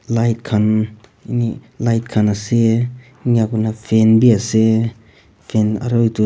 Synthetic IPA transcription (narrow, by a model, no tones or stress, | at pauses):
lajt̚kʰan | inilajt̚kʰanɐse | ŋaɡunapʰenbiase | pʰena̰ɾɔjtu